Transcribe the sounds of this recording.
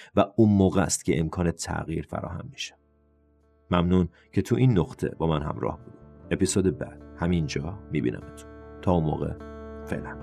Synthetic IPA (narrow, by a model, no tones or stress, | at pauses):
væunmoːɣɛst̪cʰeemkʰɒːnet̪ʰæ̰ɣiːɾfæ̰ɾɒ̰ːhæ̰mːi̥ʃæ̥ | mæmnuːn | cʰet̪ʰuʔinːoqt̪ʰe̞̰bɒːmænɦæ̰mɾɒ̰ːhbuːd̪ie̞pisoːd̪ebæd̪̥hæmind͡ʒɒːmibḭːnʔæ̰mæt̪ʰu̥nt̪ʰɒːunmo̰ːɣḛfe̞̰ʔlæn